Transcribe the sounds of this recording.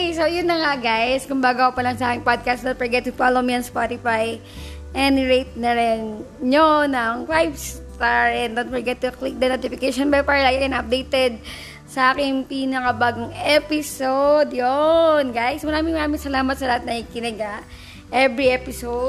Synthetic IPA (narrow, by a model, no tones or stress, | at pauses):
sojʊnːɐŋaɡajskʊmbaːɡɐkopɐlɐŋsɐʔaːkɪŋpod̪̚kast̪̚d̪ont̪fɛɹɡɛt̪ːʊfalomiɐnspat̪ɪfaj | ʔɛnɹejt̪̚nɐɾɛn | jonɐŋfajbst̪aɹɛnd̪ot̪fɛɹɡɛt̪ːuklɪk̚d̪ɐnot̪ɪfɪkejʃonbɛlpaɾɐlaɡakɪnɐp̚d̪ejt̪ɛd̪̚ | sɐʔaːkɪŋpiːnɐkɐbaːɡoŋɛpɪsod̪jonɡajsmɐɾaːmɪ̃ŋmɐɾaːmɪ̃ŋsɐlaːmɐt̪sɐlɐhat̪̚nɐɪkɪnɪɡɐ | ʔɛbɹiʔɛpɪso